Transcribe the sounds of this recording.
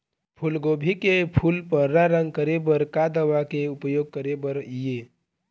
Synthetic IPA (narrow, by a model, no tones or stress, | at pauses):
pʰulɡobʱikepʰulpəɾːaɾəŋɡ̚kəɾebəɾkad̪əʋakeʊpəjoːɡ̚kəɾebəɾije